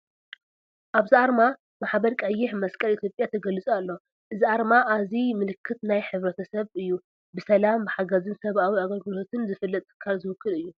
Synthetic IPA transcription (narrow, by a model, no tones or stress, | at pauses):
ʔaβziaɾma | maħbɐɾkʼɐjːɪħmɐskʼɐlit̪ʰjo̞pʼjat̪ʰɐɡɐlɨt͡sʼalːo̞ | ʔɨziaɾmaʔazimɨlɨkʰːɨt̪najħɨβɾɐt̪ʰɐsɐβɨjːu | bɨsɐlambɨħaɡɐzɨnsɐβʔawiaɡɐlɡɨlo̞t̪ʰɨnzɨfɨlːɐt̪ʼːɨ̥kʰːalzɨwɨkʰːɨlɨjːu